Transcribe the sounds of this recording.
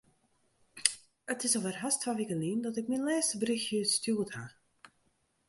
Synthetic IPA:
ətɪsɔvərɦastʰʋaːʋikəliːndɔtɪkminlɛːstəbrixjyːstyətha

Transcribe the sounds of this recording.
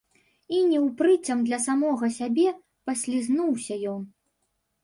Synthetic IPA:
inʲɛwpɾɨt͡sʲɐmd̪lʲɐsamɔɣɐsʲabʲɛ | pɐsʲlʲiznuwsʲɐjɔn

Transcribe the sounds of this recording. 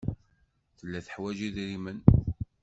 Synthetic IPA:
θəlːæθə̥ħwæʒiðɾimən

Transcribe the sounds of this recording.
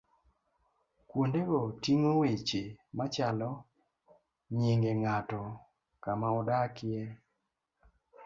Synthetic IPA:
kwondeɡɔtiŋowet͡ʃemat͡ʃalɔ | ɲiŋɡeŋatɔ | kamaɔdakɪɛ

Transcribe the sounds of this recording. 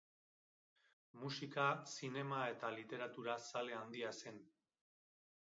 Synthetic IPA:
musikasine̞mae̞t̪alit̪e̞ɾat̪uɾasale̞and̪iase̞n

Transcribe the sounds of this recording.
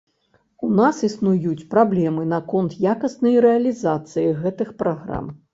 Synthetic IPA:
unasisnujut͡sʲpɾablʲɛmɨnɐkɔnt̪jakɐsnɐjɾɛɐlʲizat̪sɨjiɣɛt̪ɨxpɾaɣɾa̰m

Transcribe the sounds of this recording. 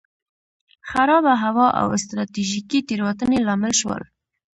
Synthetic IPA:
xaɾɑbaɦawɑʔa̰wɪst̪ɾɑt̪iʒikit̪eɾwat̪ənelɑmɪlʃwə̰l

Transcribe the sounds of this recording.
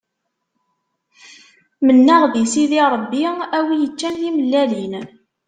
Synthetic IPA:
mənːæʁðisiðiɾˤəbːiæwijət͡ʃːænθiməlːælin

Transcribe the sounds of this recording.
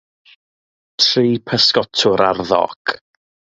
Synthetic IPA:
tʰriːpʰəskɔtʰʊɾarðɔ̰ɡ̥

